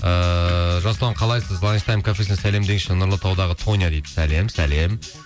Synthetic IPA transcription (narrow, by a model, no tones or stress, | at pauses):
əʒɑsəlˠʁɑɴqʰɑlˠɑjsəzlˠɑnʲst̪ɑjmkʰafesnsæle̞md̪eŋʃɪnʊɾlˠət̪ʰɑwd̪ɑʁət̪ʰo̞njad̪ejd̪ɪ̥sæle̞msæle̞m